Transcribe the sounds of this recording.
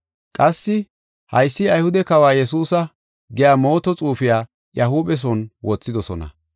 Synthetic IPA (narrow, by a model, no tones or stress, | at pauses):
kʼɐsːɪ | hɐjsːɪɐjhʊd̪ɛkɐwaːjɛsuːsɐ | ɡɛjaːmo̞ːt̪ɔt͡sʼuːfɪjaː | jɐɦuːɓɛs̬ɔnwɔt͡sːɪd̪ɔsɔ̰nɐ̰